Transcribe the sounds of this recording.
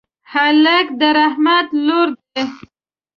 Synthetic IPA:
haləkd̪əɾahmat̪loɾd̪e

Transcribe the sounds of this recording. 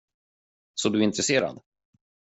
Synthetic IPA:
sɔd̪ɵɪnt̪ɾɛseːɾa̰d̪

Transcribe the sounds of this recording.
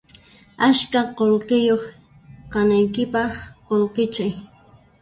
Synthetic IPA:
askaqoɾqɪjoχ | qɑnajkɪpɑχqolqɪt͡ʃaj

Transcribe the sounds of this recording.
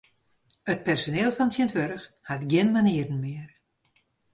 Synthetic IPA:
ət̚pɛrsoneːlˠfɔntjɪntʋøɾəx | hatɡjɪnmaniərn̩mɪər

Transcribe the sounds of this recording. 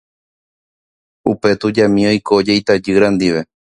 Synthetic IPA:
upe̞t̪ud͡ʒamĩo̞jkod͡ʒejt̪ad͡ʒɨɾãnd̪iʋe̞

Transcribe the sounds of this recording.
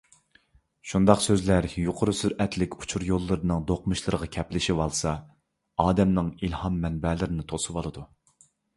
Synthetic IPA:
ʃund̪ɑqsøzlæɾjuqʰʊɾusyɾɛt̪ʰlɪkʲu̥t͡ʃʰuɾjolˠːɨɾɨnɨŋd̪oqmɨʃlˠɨɾəʁɑkʲʰɛplɪʃiwɑlˠsɑ | ɑːd̪ɛmnɨŋilhɑmːɛnbɛlɪɾɪnɪt̪ʰosɨwɑlˠɨd̪u

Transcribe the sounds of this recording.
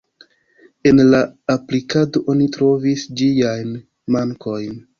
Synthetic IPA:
e̞nlaaplikado̞ʔo̞nitɾo̞visd͡ʒiajn | maŋkʰo̞jn

